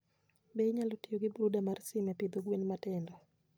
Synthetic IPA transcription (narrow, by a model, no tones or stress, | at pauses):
beɲalotijoɡɪbɾudamarsɪmɛpɪd̪oɡwenmatɛndɔ